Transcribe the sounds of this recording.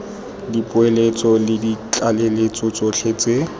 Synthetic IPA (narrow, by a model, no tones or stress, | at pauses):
dipʼʊelet͡sʼɔlɪdit͡ɬalelet͡sʼɔt͡sʼɔɬʰeːt͡sʼe